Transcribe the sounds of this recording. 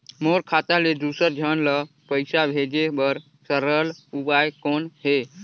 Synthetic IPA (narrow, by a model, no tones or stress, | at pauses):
moːɾkʰaːt̪aled̪uːsəɾd͡ʒʱənlə | pəɪsabʱeːd͡ʒebəɾ | səɾəlubaːjkoːnɦe